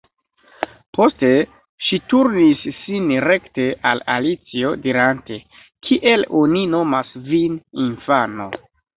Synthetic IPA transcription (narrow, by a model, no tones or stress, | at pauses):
po̞ste̞ | ʃituɾnisːinɾe̞kte̞ʔalalit͡sio̞diɾante̞ | kʰiʔe̞lo̞nino̞masvininfano̞̰